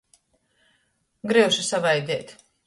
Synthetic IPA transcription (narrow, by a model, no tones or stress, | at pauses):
ɡɾiwʃusavajd̪ʲɛːt̪